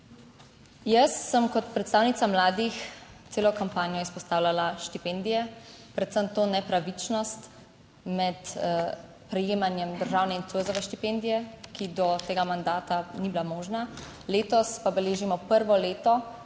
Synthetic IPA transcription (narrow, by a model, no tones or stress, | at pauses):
jəsːəmkɔt̪pɾɛt̪st̪aːwnit̪samlaːd̪ixt̪seːlɔkampaːnijɔispɔst̪aːwlalaʃt̪ipɛnd̪ijɛpɾɛt̪səmt̪oːnɛpɾaʋit͡ʃnɔst̪ | mɛt̪ | pɾɛjeːmanjɛmd̪əɾʒaːwnɛint̪ojzɔʋɛʃt̪ipɛnd̪ijɛkid̪ɔt̪eːɡamand̪aːt̪anibilamɔːʒnaleːt̪ɔspabɛleːʒimɔpəɾʋɔleːt̪ɔ